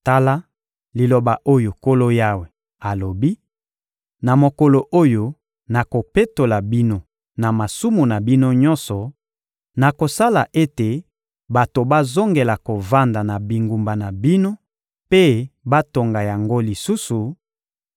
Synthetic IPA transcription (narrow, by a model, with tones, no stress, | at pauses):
ta˦la˦ | li˨lo˨ba˨ʔo˦jo˨ko˦lo˦ja˦we˨ | a˨lo˨bi˦ | na˨mo˨ko˨lo˨ʔo˦jo˦ | na˨ko˨pe˦to˨la˨bi˦no˦ | na˨ma˨su˦mu˨na˨bi˦no˦ɲɔ̃˦nsɔ˨ | na˨ko˨sa˦la˨ʔe˦te˨ | ba˨to˨ba˦zo˦ŋɡe˨la˨ko˨va˦nda˨na˨bi˨ŋɡu˨mba˨na˨bi˦no˦ | pe˦ba˦to˨ŋɡa˨ja˨ŋɡo˦li˨su˦su˨